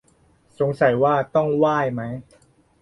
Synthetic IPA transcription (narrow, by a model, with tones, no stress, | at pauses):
so˩˦ŋsa˨˩˦jwaː˥˩t̪ɔ˥˩ŋwaː˥˩jma˦˥j